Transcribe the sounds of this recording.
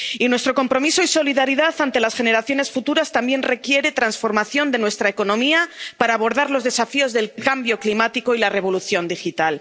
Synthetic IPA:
inwe̞st̪ɾo̞ko̞mpɾo̞miso̞iso̞liðaɾiðaθant̪e̞lasxe̞ne̞ɾaθjo̞ne̞sfut̪uɾast̪ambje̞nre̞kje̞ɾe̞t̪ɾansfo̞ɾmaθjo̞nd̪enwe̞st̪ɾaeko̞nõ̞miapaɾaːβo̞ɾðaɾlo̞zðe̞safio̞zðe̞lkambjo̞klimat̪iko̞ilare̞β̞o̞luθjo̞nd̪ixit̪al

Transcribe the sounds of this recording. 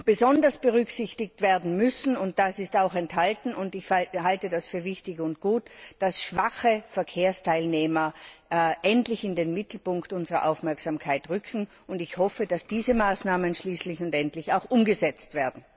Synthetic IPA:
b̥əzɔndɐsb̥əʁʏksɪçtɪk̚tv̥eːɐdn̩mʏsn̩ʊnt̚d̥asɪstaʊxɛnthaltn̩ʊndɪçhaltədasfyːɐvɪçtɪçʊntɡ̥uːtd̥asʃv̥aχəfɛɐkʰeːɐstʰaɪlneːmɐ | ʔɛntlɪçɪndenmɪtl̩pʊŋktʊnzəʁɐ̰ʔaʊfmɛɐksamkʰaɪtʁʏkʰŋ̩ | ʊndɪçhɔfəd̥asd̥iːzəmaːsnaːmənʃliːslɪçʊntɛntlɪçaʊxʔʊmɡəzɛt͡stv̥eːɐdn̩

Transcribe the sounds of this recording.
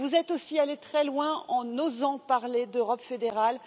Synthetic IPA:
vuzɛt̪osialet̪χɛlwɛ̃ɑ̃nozɑ̃paʁled̪øʁɔpfed̪eʁal

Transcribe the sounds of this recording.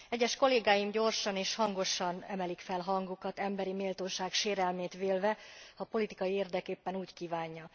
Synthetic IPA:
ɛɟːɛʃko̞leːɡaːjimɟo̞rʃɒneːʃhɒŋɡo̞ʃɒnɛmɛlikfɛlɦɒŋɡukɒt̪ɛmbɛɾimeːlt̪oːʃaːkʃeːɾɛlmeːt̪ʋeːlvɛhɒpo̞lit̪ikɒjieːrd̪ɛkeːpːɛnuːckiːvaːɲːɒ

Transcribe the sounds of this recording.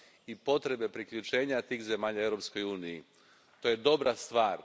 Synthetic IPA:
ipo̞t̪ɾe̞be̞pɾikʎut͡ʃe̞ːɲat̪iːxze̞maːʎaeʋɾo̞psko̞juːniji | t̪o̞je̞d̪o̞bɾast̪ʋaːɾ

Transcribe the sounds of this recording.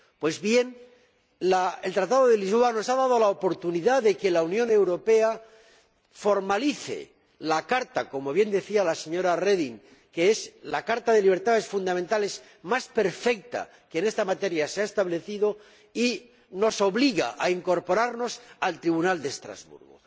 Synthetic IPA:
pwe̞zβjen | laelt̪ɾat̪aðo̞ðe̞lizβoano̞saðað̞o̞laopo̞ɾt̪uniðaðe̞ke̞launjõ̞ne̞wɾo̞pe̞a | fo̞ɾmaliθḛ | lakaɾt̪ako̞mo̞β̞je̞nd̪e̞θialase̞ɲo̞ɾare̞ðiŋ | keeslakaɾt̪aðe̞liβ̞e̞ɾt̪aðe̞sfund̪amẽnt̪ale̞z | maspe̞ɾfe̞k̚t̪a̰ | keːne̞st̪amat̪e̞ɾjaseaest̪aβle̞θiðo̞ | i | no̞so̞βliɣa̰ʔaiŋko̞ɾpo̞ɾaɾno̞salt̪ɾiβunald̪e̞ːst̪ɾa̰zβṵɾɣo̰

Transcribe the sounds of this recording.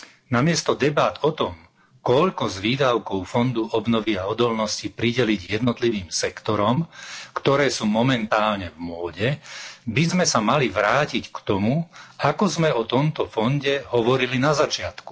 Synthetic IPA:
namɪɛst̪ɔd̪ɛbad̪ɔt̪ɔm | kɔʎkɔzʋiːd̪aʊkɔʊfɔnd̪uʔɔbnɔʋiaɔd̪ɔlnɔscipɾiɟɛliɟjɛd̪nɔt̪liʋiːmsɛkt̪ɔɾɔmkt̪ɔɾɛːsuːmɔmɛnt̪aːlɲɛvmʊɔɟɛbizmɛsamaliʋɾaːcickt̪ɔmuakɔzmɛɔt̪ɔmt̪ɔfɔnɟɛɦɔʋɔɾilinazat͡ʃɪat̪ku̥

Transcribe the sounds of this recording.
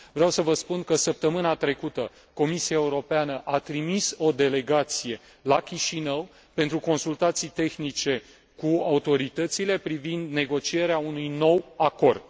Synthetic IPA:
vɾawsəvəspunkəsəp̚t̪əmɨnat̪ɾe̞kut̪ə | ko̞misiaeuɾo̞peanəʔat̪ɾimiso̞d̪e̞le̞ɡat̪sije̞ | lakʲiʃinəw | pe̞nt̪ɾuko̞nsult̪at̪sijt̪e̞xnit͡ʃe̞ | kuaut̪o̞ɾit̪ət̪sile̞pɾivind̪ne̞ɡo̞t͡ʃie̞ɾeaunujno̞wako̞rd̪̥̚

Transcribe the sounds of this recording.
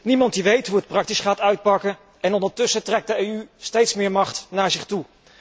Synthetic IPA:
nimɑntdiʋejtɦuət̚prɑk̚tisχaːtœɥt̚pɑkə | ɛnɔndəɹtɵsətrɛk̚dəejystejtsmɪːɹmɑχtnaːɹzɪχtu

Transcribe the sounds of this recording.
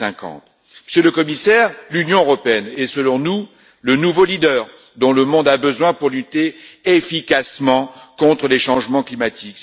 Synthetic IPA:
ɛ̃kɑ̰̃t̪ | məsjøləkɔmisɛʁlynjɔ̃øʁɔpeɛnesəlɔ̃nu | lənuvolid̪œːʁ | d̪ɔ̃ləmɔ̃d̪abəzwɛ̃puʁlyt̪eefikasmɑ̃kɔ̃t̪χəleʃɑ̃ʒmɑ̃klimat̪ʰik

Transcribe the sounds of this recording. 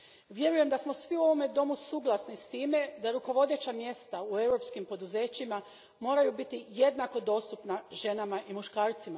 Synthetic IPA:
ʋje̞ɾuje̞md̪asmo̞sʋiuo̞ʋo̞me̞d̪o̞musuːɡlˠasnist̪iːme̞d̪aɾuko̞ʋo̞d̪e̞t͡ɕamje̞st̪aue̞wɾo̞pskimpo̞d̪uze̞ːt͡ɕima | mo̞ːɾajubit̪ije̞d̪nako̞d̪o̞ːst̪upnaʒe̞namaʔimuʃkaːɾt̪sima

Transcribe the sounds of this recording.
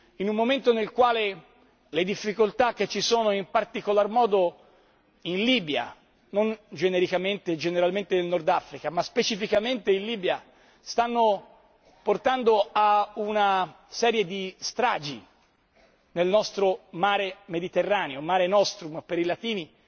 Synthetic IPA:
inumːoment̪onelkwaːle | led̪ifːikolt̪ak̟ːet͡ʃːisoːnoimpart̪ikolarmɔːd̪o | inliːbja̰ | nond͡ʒeneɾikament̪ed͡ʒeneɾalment̪enelnord̪afɾikamaspet͡ʃifikament̪einliːbja | st̪anːo | port̪and̪oauna | sɛːɾjed̪ist̪ɾa̰ːd͡ʒi | nelnɔst̪ɾomaːɾemed̪it̪erːaːneomaːɾenɔst̪ɾumpeɾilat̪iːni

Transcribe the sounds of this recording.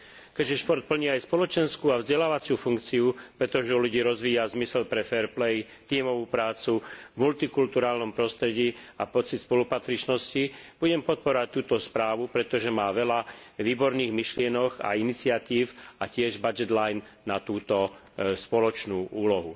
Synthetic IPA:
kɛʒɛʃpɔɾt̪̚pl̩ɲiajspɔlɔt͡ʃɛnskuːavzɟɛlaːʋat͡sɪufuŋkt͡siupɾɛt̪ɔʒɛuluɟiːɾɔzʋiːazmisɛlpɾɛfɛɾplɛj | t̪iːmɔʋuːpɾaːt͡suvmult̪ikult̪uɾaːlnɔmpɾɔst̪ɾɛɟiːapɔt͡sit̪spɔlupat̪ɾit͡ʃnɔscib̥uɟɛmpɔt̪̚pɔɾɔʋac̚t̪ːuːt̪ɔspɾaːʋupɾɛt̪ɔʒɛmaːʋɛlaʋiːbɔɾniːɣmiʃlɪɛnɔxa̰init͡sɪat̪iːfacɪɛʒbad͡ʒɛd̪lajnːat̪uːt̪ɔ | spɔlɔt͡ʃnuːʔuːlɔɦu

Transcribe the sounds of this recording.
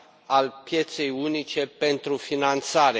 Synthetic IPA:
alpje̞t̪se̞junit͡ʃe̞pe̞nt̪ɾufinant̪saɾe

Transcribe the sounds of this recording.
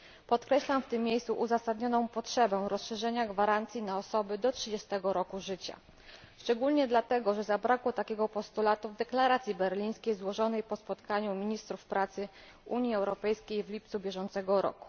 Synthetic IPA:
pɔt̪kɾɛɕlamft̪ɘmːjejssuʔuzasad̪ɲɔnɔ̃w̃pɔtʂɛbɛw̃ɾɔsʂɛʐɛɲaɡvaɾant̪sʲjinaɔsɔbɘd̪ɔtʂɘd͡ʑɛst̪ɛɡɔɾɔkuʐɘt͡ɕa̰ | ʂt͡ʂɛɡulɲɛd̪lat̪ɛɡɔʐɛzabɾakwɔt̪akʲɛɡɔpɔst̪ulat̪uvd̪ɛklaɾat̪sʲjibɛɾlʲij̃skʲejzwɔʐɔnɛjpɔspɔt̪kaɲumʲiɲist̪ɾufpɾat̪sɘ | uɲjiɛwɾɔpɛjskʲejvlʲipt̪subʲjɛʐɔnt̪sɛɡɔɾɔ̰ku̥

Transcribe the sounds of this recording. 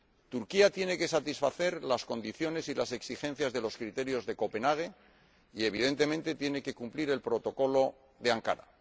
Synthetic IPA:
t̪uɾkiat̪je̞ne̞ke̞sat̪isfaθe̞ɾlasko̞nd̪iθjo̞ne̞silase̞ksixẽ̞n̟θjazðe̞lo̞skɾit̪e̞ɾjo̞zðe̞ko̞pe̞naɣ̞e̞ | ie̞β̞ið̞e̞nt̪e̞mẽ̞nt̪e̞t̪je̞ne̞ke̞kumpliɾe̞lpɾo̞t̪o̞ko̞lo̞ | ðe̞aŋka̰ɾa̰

